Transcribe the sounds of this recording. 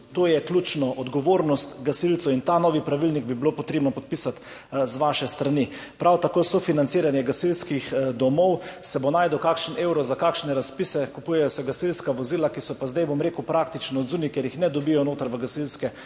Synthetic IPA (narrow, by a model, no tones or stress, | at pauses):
t̪oːjɛklʲut͡ʃnɔʔɔd̪ɡɔʋoːɾnɔst̪ɡasilt̪sɔint̪anɔːʋipɾaʋilniɡ̚bibilopɔt̪ɾeːbnɔpɔt̪̚pisat̪ | zʋaʃɛst̪ɾanipɾawt̪akoːsɔfinant̪siːɾanjɛɡasilskixd̪ɔmɔwsɛbonajd̪ɔkakʃnewɾɔzakakʃnɛɾaspiːsɛkupujɛjɔsɛɡasilskaʋɔzilakisɔpazd̪ajbomɾekuwpɾak̚t̪it͡ʃnɔːd̪zuːnikjɛɾjixnɛd̪ɔbijɔnoːt̪əɾʋəɡasilskɛ